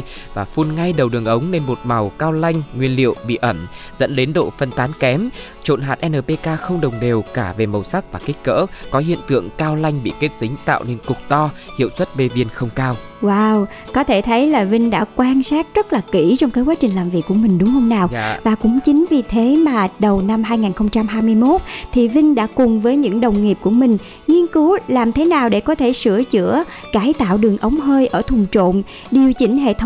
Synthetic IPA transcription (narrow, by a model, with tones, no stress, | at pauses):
vaː˨˩fu˧nŋa˧jɗə˨˩wɗɨ˨˩əŋʔə˨˦wŋ͡mne˧nmo˨˩t̚ma˨˩wkaː˧wla˧jŋ̟ŋwi˧ənlḭ˧˨əwɓḭ˧˨ʔə˧˩m | zə̰˧˥nɗe˨˦nɗo̰˧˨fə˧nt̪aː˨˦nkɛ˨˦m | t͡ɕo̰˧˨nɦaː˨˩t̚ʔɛ˧nəː˨˩pe˧kaː˧xə˧wŋ͡mɗə˨˩wŋ͡mɗe˨˩wkaː˧˩ve˨˩mə˨˩wsa˦˥k̚vaː˨˩ki˦˥k̟̚kə̰ː˧˥kɔ˨˦ɦḭ˧˨ənt̪ɨ̰˧˨əŋkaː˧wla˧jŋ̟ɓḭ˧˨ke˦˥t̚sï˨˦ŋ̟t̪a̰ː˧˨wne˧nkʊ˨˩k͡p̚t̪ɔ˧ | hḭ˧˨əwswə˦˥t̚ve˧vi˧ənxə˧wŋ͡mkaː˧w | waː˧w | kɔ˨˦t̪ʰe˧˩t̪ʰə˨˦jlaː˨˩vï˧ŋ̟ɗa̰ː˧˥kwaː˧nsaː˦˥t̚zə˦˥t̚laː˨˩ki˧˩t͡ɕɔ˧wŋ͡mkaː˨˦jkwa˨˦t͡ɕï˨˩ŋ̟laː˨˩mvi˨˩əkːu˧˩əmï˨˩ŋ̟ɗʊ˨˦ŋ͡mhə˧wŋ͡mnaː˨˩wvaː˨˩kʊ̰˧˥ŋ͡mt͡ɕï˨˦ŋ̟vi˨˩t̪ʰe˨˦maː˨˩ɗə˨˩wna˧mɦaː˧jŋaː˨˩nxə˧wŋ͡mt͡ɕa˧mɦaː˧jmɨ˧əjmo˦˥t̚t̪ʰi˨˩vï˧ŋ̟ɗa̰ː˧˥kʊ˨˩ŋ͡mvəː˨˦jɲɨ̰˧˥ŋɗə˨˩wŋ͡mŋi˨˩əp̚ku˧˩əmï˨˩ŋ̟ | ŋi˧ənkɨ˨˦laː˨˩mt̪ʰe˨˦naː˨˩wɗe˧˩kɔ˨˦t̪ʰe˧˩sɨ̰˧˩ət͡ɕɨ̰˧˥ə | kaː˨˦jt̪a̰ː˧˨wɗɨ˨˩əŋʔə˨˦wŋ͡mɦəː˧jʔəː˧˩t̪ʰʊ˨˩ŋ͡mt͡ɕo̰˧˨n | ɗi˨˩əwt͡ɕï˨˦ŋ̟ɦḛ˧˨t̪ʰ